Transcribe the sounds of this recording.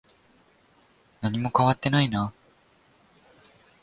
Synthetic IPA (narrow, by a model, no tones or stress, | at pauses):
naɲ̟imo̞kaβat̪ːe̞naina